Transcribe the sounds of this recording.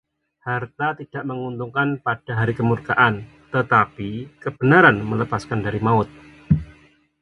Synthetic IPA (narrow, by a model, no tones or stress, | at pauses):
hart̪at̪id̥aʔməŋunt̪uŋkanpad̥aɦaɾikəmurkaʔan | t̪ət̪apikəb̥ənaɾanmələpaskandaɾimaʊt̪̚